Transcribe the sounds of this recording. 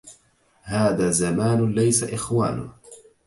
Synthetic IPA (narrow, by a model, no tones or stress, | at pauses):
haːðaːzamaːnlajsaʔɪxwaːnʊ̰